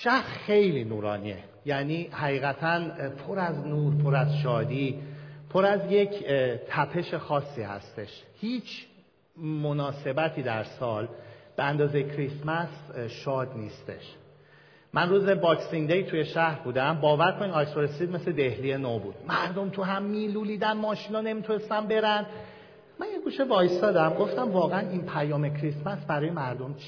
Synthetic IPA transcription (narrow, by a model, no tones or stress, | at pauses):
ʃæhɾxejliːnuːɾɒːniḛ | jæniːhæɣiːɣæt̪ʰænpʰo̞ɾæznuːɾpʰo̞ɾæzʃɒːd̪iːpʰo̞ɾæzje̞cʰt̪ʰæpʰe̞ʃe̞xɒːsːiːhæ̰st̪e̞ʃhiːt͡ʃʰ | mo̞nɒːse̞bæt̪ʰiːd̪æɾsɒːlb̥eænd̪ɒːzejecʰɾismæsʃɒːd̪niːst̪e̞̰ʃ | mʔænruːzebɒːksind̪ejt̪ʰuje̞ʃæhɾbuːd̪æmbɒːvæɾkʰoninɒjsoɾesiːd̪me̞sle̞d̪e̞hlije̞nobuːd̪̥mæɾd̪o̞mt̪ʰuɦæmːiːluːliːd̪ænmɒːʃinɒːne̞mit̪ʰunest̪ænbe̞ɾæn | mænjeɡuːʃevɒːjsd̪ɒːd̪æmɡo̞ft̪æmvɒːɣeæninpʰæjɒːme̞cʰɾismæsbæɾɒːjemæɾd̪omt͡ʃʰ